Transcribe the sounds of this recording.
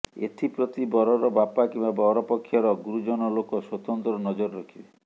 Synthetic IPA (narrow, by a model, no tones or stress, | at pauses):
ḛʈʰipɾot̪ibɔɾɔɾɔbapakĩmbabɔɾɔpɔkʰːjɔɾɔɡuɾud͡ʒɔnɔlokɔswɔt̪ɔnt̪ɾɔnɔd͡ʒɔɾɾɔkʰibe